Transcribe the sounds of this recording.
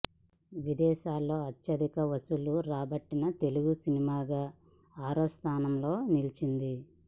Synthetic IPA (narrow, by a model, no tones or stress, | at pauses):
ʋid̪ɛːʃaːlːo̞ːɐt̪ːɐd̪ikɐʋɐsuluɾaːbɐʈːinɐt̪e̞luɡusinimaːɡaː | aːɾoːst̪ʰaːnɐmlo̞ːnilit͡ʃind̪i